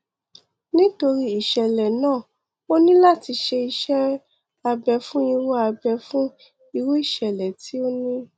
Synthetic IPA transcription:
nĩ˦to˧ɾi˦i˦˨ʃɛ˨lɛ˨nãː˦˨ | o˦nĩ˦la˦˨ti˧ʃe˧i˧ʃɛ˦ | a˧bɛ˧fũ˦i˧wo˦a˧bɛ˧fũ˦ | i˧wo˦i˦˨ʃɛ˨lɛ˨ti˨˦o˦nĩ˦

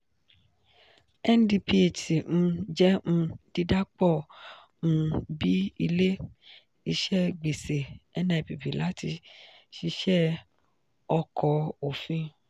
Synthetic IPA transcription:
ɛ˦n˦di˧pʰi˦e˨tĩ˨˧d͡ʒɛ˦ũ˧˦d̥i˧da˦k͡pɔ̃˦˨˧ | bi˦i˧le˦ | i˧ʃɛ˦˨ɡ͡be˨se˨ɛ˦nɛ̃˧˨bi˨bi˨la˨˦ti˧ | ʃi˧ʃɛ˦ | ɔ˧kʰɔ˨˦o˨fĩ˧

